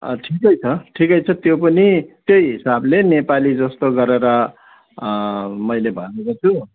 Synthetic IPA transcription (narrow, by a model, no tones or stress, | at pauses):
ʈʰikʌjt͡sʰʌʈʰikʌjt͡sʰʌt̪jopʌnit̪jojɦisablenepalid͡zʌst̪oɡʌɾeɾʌ | mʌjlebʱʌnekot͡sʰu